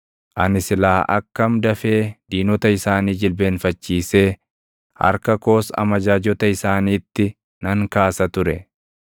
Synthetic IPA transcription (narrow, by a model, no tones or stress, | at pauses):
ʔɐnɪsɪlaːʔɐ̰kːɐmd̪ɐfe̞ːd̪iːnɔt̪ɐɪsaːniːd͡ʒɪlbe̞ːnfɐt͡ʃːiːse̞ː | hɐ̰ɾkɐko̞ːsɐ̰mɐd͡ʒaːd͡ʒɔt̪ɐɪsaːniːt̪ːɪ | nɐŋkaːsɐt̪ʊɾɛ